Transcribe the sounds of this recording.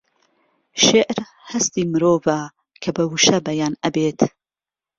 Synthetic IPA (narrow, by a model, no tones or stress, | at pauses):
ʃeʔɾ | hɐst̪iːmɨɾoːvɐ | kʰɐbɐwuʃɐbɐjaːnɐbet̪ʰ